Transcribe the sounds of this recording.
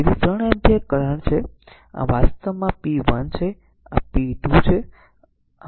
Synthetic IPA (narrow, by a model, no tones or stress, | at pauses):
eɾit̪ɾəɳɛnt̪jakːəɾəɳt͡ʃʰe | ã̰ʋast̪əʋmãpiʋənt͡ʃʰe | ã̰piɖ̪ʱũt͡ʃʰe